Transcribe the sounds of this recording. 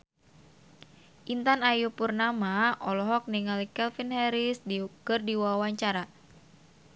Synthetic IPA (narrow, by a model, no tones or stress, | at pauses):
ʔint̪anajupurnamaɔlɔɦɔk̚niŋalikɛlfinhɛɾiskɨrdiwawaɲt͡ʃaɾa